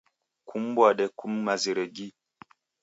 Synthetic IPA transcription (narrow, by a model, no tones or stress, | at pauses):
kʰumbwaɗɛkumːaziɾeɡi